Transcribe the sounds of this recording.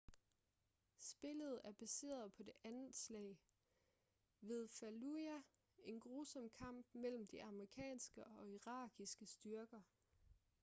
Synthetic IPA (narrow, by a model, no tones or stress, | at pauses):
sb̥e̝ləð̞̩ˠæɐb̥æse̝̰ːɐð̩ˠpʰɒ̽d̥e̝ʔænð̩slɛ̰ɪ | ʋe̝ð̞ˠfæluæ | e̝nɡ̥ʁuːsɒ̽mkʰɑ̈m̰b̥mel̰m̩d̥iʔɑ̈məʁikʰɛ̰ːnsɡ̥əɒ̽iʁɑ̈ːɡ̥isɡ̥əsd̥ɶɐɡ̥ɐ